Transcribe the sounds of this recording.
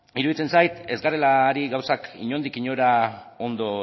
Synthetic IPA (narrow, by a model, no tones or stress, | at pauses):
iɾuðit͡se̞nsajt̪e̞zɡarelaɾiɣawsakḭɲo̞nd̪ikiɲo̞ɾao̞nd̪o̞